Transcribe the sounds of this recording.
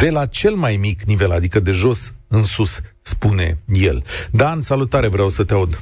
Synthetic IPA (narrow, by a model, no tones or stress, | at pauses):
d̪̥e̞lat͡ʃe̞lmajmiknive̞lad̪ikəd̪e̞ʒo̞sɨnsusː | pune̞̰je̞̰ld̪ansalut̪aɾe̞vɾeawsət̪eaud̪